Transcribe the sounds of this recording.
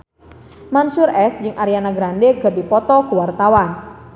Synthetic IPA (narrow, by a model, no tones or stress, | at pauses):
mansuɾɛsd͡ʒɨŋʔaɾianaɡɾandɛɡadipɔt̪ɔkuwart̪awan